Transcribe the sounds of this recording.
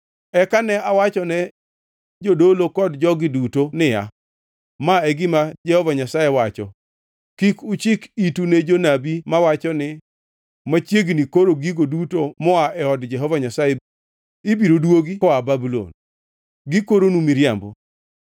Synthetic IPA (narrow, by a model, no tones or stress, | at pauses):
ɛkanɛawat͡ʃɔnɛ | d͡ʒodolokɔdd͡ʒɔɡɪdutonɪja̰ | maɛɡɪmad͡ʒɛhɔvaɲasajewat͡ʃɔ̰ | kikʊt͡ʃɪkituned͡ʒonabimawat͡ʃɔnɪ | mat͡ʃjeɡnikoɾoɡiɡodutomɔaʔɛɔdd͡ʒɛɦɔvaɲasaje | ɪbiɾodwoɡikɔababulo̰n | ɡikoɾonumiɾjambɔ